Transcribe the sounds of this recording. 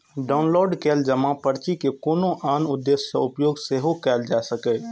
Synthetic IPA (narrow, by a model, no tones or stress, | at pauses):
ɖaːʊnloːɖkeːld͡ʒəmãpəɾt͡ʃikekoːnõʔaːnʊd̪ːeːseʊpjoːɡseɦokɛːld͡ʒaːsəke